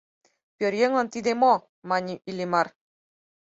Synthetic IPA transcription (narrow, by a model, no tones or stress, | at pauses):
pʲørjeŋlˠɑ̆nt̪id̪emo | mɑnʲiʔilʲimɑr